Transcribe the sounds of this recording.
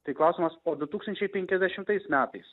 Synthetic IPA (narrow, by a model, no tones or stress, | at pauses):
t̪ɐɪklˠɐʊsʲimɐsoːd̪ʊt̪uːkst̪ɐnʲt͡ʃʲɛɪpʲɛŋʲkʲɛzʲd̪ʲɛʃʲɪmt̪ɐɪsmʲæːt̪ɐɪs